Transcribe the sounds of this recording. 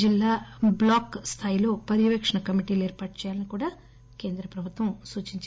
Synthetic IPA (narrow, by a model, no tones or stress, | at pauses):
d͡ʒilːaːblaːkst̪ʰaːjilo̞ːpɐɾiʋekʂɐɳɐkɐmiʈiːloeːɾpaːʈ̚t͡ʃɛːjaːlɐnikuːɽaː | ke̞ːnd̪ɾɐpɾɐbʱut̪ʋɐ̃msuːt͡ʃiɲt͡ʃ